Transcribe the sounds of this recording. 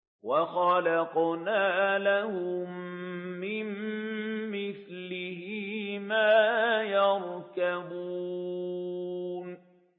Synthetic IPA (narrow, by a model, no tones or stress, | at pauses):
wɑxɑlɑqnaːlahʊmː | ɪmː | ɪθllɪhɪmaːjɑɾkabuː | n